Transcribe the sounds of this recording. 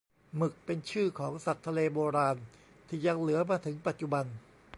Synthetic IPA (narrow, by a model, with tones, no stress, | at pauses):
mɯ˨˩k̚pe˧nt͡ɕʰɯː˥˩kʰɔː˩˦ŋsa˨˩t̪ʰːa˧leː˧boː˧ɾaː˧n | t̪ʰiː˧˩ja˧ŋlɯ˩˦ɐmaː˧t̪ʰɯ˩˦ŋpa˨˩t̪̚t͡ɕu˨˩ba˧n